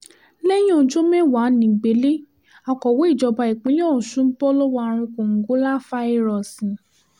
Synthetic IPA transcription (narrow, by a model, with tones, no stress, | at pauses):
lɛ˦j̩̃˦˨˦d͡ʒo˦mɛ̃˦˨wa˨˦nĩ˨ɡ͡be˨˦le˦ | a˧kɔ˨wo˨˦i˦˨d͡ʒɔ˧ba˧i˨k͡pĩ˨˦jɔ̃˦˨ʃũ˦n̩˦bɔ˦lɔ˦wa˧ɾ̃ĩ˧kõ˨ŋ̩˨ɡo˨˦la˦fa˦i˦˧ɾɔ˨sĩ˨